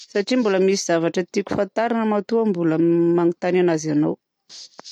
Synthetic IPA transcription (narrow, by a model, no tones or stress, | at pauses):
saʈ͡ʂimbuləmisiz̥avaʈ͡ʂət̪ikʲu̥fant̪aɾanəmat̪uəmbuləmanit̪ananazanaw